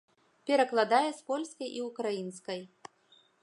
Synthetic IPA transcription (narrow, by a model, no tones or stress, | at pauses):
pʲɛɾɐklˠad̪ajɛspɔlʲskɐjʔiukɾajinskɐj